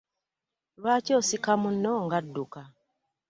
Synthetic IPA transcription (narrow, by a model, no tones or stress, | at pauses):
lwaːcoːsikamunːoŋɡadːuka